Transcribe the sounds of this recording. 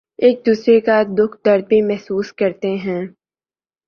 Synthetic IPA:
eːk̚d̪uːsɾekad̪ʊkʰd̪ɐɾd̪̚bʱimɛɦsuːskɐɾt̪eɦɛ̃ː

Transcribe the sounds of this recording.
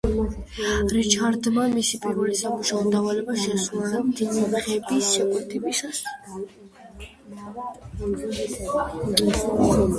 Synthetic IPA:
ɾit͡ʃʰaɾd̪mamisipʼiɾvɛlisamuʃaɔd̪avalɛbaʃɛsunad̪id̪iχɛbisʃɛkʼwɛt̪ʰɛbisas

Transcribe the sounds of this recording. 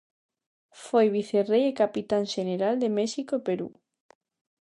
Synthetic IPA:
fojβiθerejekapit̪anʃeneɾald̪emɛʃikoepeɾṵ

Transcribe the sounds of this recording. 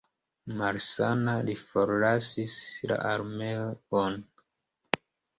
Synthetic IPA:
maɾsanalifoɾlasisla̰ʔaɾmeoon

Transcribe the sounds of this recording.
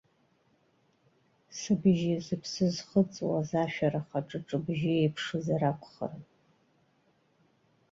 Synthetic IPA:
sɨbʒizɨpʰsɨzχət͡sʼwa̰zaːʃᶣaɾaχaʈ͡ʂʼɨʈ͡ʂʼɨbʒiejpʰʂɨzaɾakʷʰʼχə̰rɨ

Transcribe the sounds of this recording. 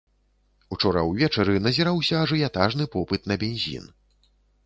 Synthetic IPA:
ut͡ʂɔɾɐ̰wvʲɛt͡ʂɐɾɨnɐzʲɛɾawsʲɐːʐɨjat̪aʐnɨpɔpɨt̪nɐbʲenʲzʲḭn

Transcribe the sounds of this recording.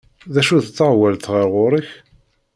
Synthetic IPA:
ðæʃuðt͡sːəʁwælθʁəɾʁʊɾəç

